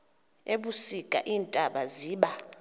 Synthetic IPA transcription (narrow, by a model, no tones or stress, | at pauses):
eɓusikʼa̰ʔiːntʼaɓaziːɓa